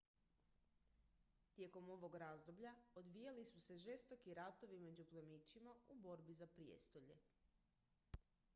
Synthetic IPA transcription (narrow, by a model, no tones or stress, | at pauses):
t̪je̞ko̞mo̞ʋo̞ɡɾazd̪o̞bʎaod̪ʋijalisuse̞ʒe̞st̪o̞kiɾat̪o̞ʋime̞d͡ʑuplemit͡ɕimaubo̞ɾbizapɾiḛst̪o̞ʎe̞̰